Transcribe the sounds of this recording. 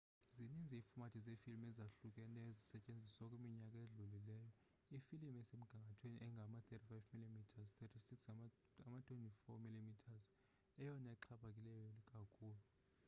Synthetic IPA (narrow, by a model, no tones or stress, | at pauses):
zinind͡zʱiiːfumatʰizefilimɛzaɬuk̬ʼɛnɛzisɛt͡ʃʼend͡zʱisɔkʼwemiɲakʼaeɮulilɛːjɔ | ifilimɛsem̩ɡ̥ʱaŋɡʱatʰwenḭʔɛŋɡʱamat̪etʰifajvmilimitʰazt̪ʰɛtʰisiks | amatʰʼwentʰʼifɔmilimitʰaz | ɛjɔnɛǃʰaɓak̬ʼilɛjɔlikʼakʰuːlu